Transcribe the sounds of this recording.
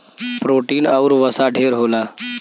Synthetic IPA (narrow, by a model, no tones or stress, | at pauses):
pɾoːʈiːnəʊɾʋəsaɖʱeːɾɦoːlaː